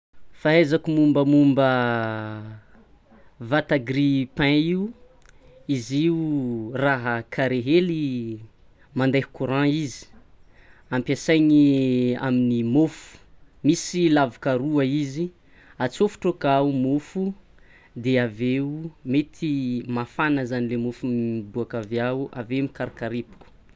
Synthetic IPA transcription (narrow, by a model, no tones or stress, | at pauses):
faɦezakumumbəmumbə | vat̪aɡripɛ̃iu | iziuraɦəkʰaɾeɦeli | mand̪ajhu̥kuɾãizi̥ | ãmpjasajɲia̰minimofu̥ | misilavukaɾuaizi | at͡sofu̥ʈ͡ʂokaumofu | d̪eaveumet̪ʰimafanəzanilemofumib̪uakaveauʔaveumikaɾkaɾepu̥ku̥